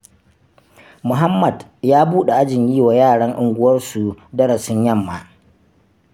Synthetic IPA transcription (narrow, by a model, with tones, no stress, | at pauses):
mʊ˨ɦa˦mːɐ˨djaː˦buː˦ɗe˨ʔa˦d͡ʒɪ˨ɲjiː˦waː˨jaː˦˨ɽɐ˦ŋʔʊ˨ŋɡʷʊ˦wɐ˦rsu˨dɐ˦ɾɐ˨sɪ˦ɲjɐ˦mːa˨